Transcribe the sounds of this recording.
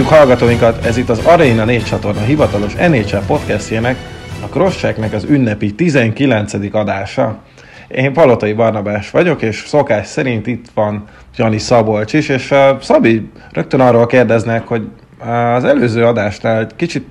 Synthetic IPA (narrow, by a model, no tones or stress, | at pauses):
ukhɒlɡɒt̪oːjiŋkɒt̪ɛzit̪ːɒzɒɾɒinɒneːtt͡ʃɒt̪o̞rnɒɦivɒt̪ɒlo̞ʃɛneːt͡ʃɛpo̞t̪kɛst̪jeːnɛkɒkro̞ʃt͡ʃɛknɛkɒzynːɛpit̪izɛŋkilɛnt̪sɛd̪ikɒd̪aːʃɒ | eːɱpɒlo̞t̪ojibɒrnɒbaːʃʋɒɟo̞keːʃso̞kaːʃsɛɾint̪it̪ʋɒn | d͡ʒɒnisɒbo̞lt͡ʃiʃeːʃsɒbi | rø̞k̚t̪ønɒrːoːlkeːrd̪ɛznɛkho̞ɟː | zɛløːzøːɒd̪aːʃnaːlɛɟkit͡ʃit̪̚